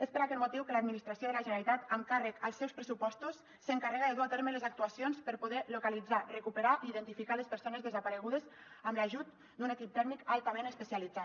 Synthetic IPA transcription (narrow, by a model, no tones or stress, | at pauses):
espəɾakɛt̪mut̪iwkəlad̪minist̪ɾasioðəlaʒənalit̪at̪əŋkarəkəlˠsːɛwspɾəsupɔst̪usːəŋkarɛɣəðəðuat̪eɾmeləzak̚t̪uasjonspəɾpuðɛlukalid͡zarekupəɾaʔiːðənt̪ifikalespəɾsonezðəzapaɾəɣuð̞ez | əmlaʒut̪ | d̪unekip̚t̪ɛɾmikalˠt̪amẽnəspəsialid͡za